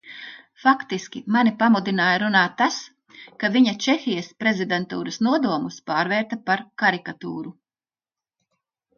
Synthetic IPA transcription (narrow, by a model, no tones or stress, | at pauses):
fakt̪iskʲimanipamud̪inaːjaɾunaːt̪ːas | kaviɲat͡ʃexʲijɐspɾezid̪ent̪ṵːɾɐsnuɔd̪uɔmuspaːɾvɛːɾt̪ɐpaɾkaɾikat̪ṵːɾu